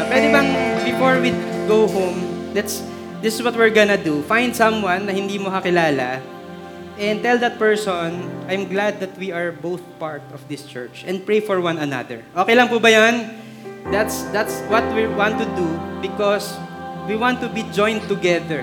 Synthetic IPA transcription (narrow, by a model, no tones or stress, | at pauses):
pwɛd̪ɪbɐŋbɪfoɹwiɡowɦõmlɛt̪s | d̪ɪsɪswɔt̪̚wɪɹɡɐnɐd̪ufãj̃nd̪sɐ̃mwãnːɐhɪ̃nd̪iːmokɐkɪlaːlɐ | ʔɛ̃ndt̪ɛld̪ɐt̪̚pɛɹsɔnʔajmɡlad̪̚ːɐt̪̚wiɐɹbowθpaɹt̪ɔfd̪ɪst͡ʃɛ̰ɹt͡ʃʔɛ̃nd̪̚pɹejfɔɹwãnɐna̰d̪ɛ̰ɹʔoːkejlɐŋpuːbɐjan | d̪at̪sd̪at̪swɔt̪̚wiwãnt̪ʊd̪ubɪkɔswiwãnt̪ːʊbid͡ʒɔ̃j̃nt̪ʊɡɛðɛɹ